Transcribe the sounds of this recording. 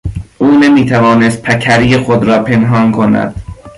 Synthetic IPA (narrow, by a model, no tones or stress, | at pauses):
ʔuːnemiːt̪ʰævɒːnest̪̚pʰækʰæɾijexod̪ɾɒːpʰe̞nɦɒːnkʰonæ̰d̪̥